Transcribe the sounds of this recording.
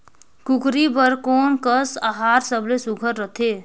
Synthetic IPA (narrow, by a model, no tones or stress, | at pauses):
kukɾibəɾkoːnkəsaɦaːɾsəblesuɡʱəɾːət̪ʰe